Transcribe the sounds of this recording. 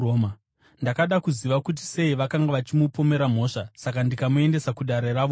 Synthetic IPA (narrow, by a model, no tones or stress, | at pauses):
m | ndakaɗakuziʋakut̬i̥se̞iʋakaŋɡaʋat͡ʃimupo̞me̞ɾam̤o̞ːʂasakandikamue̞nde̞sakuɗaɾeraːʋo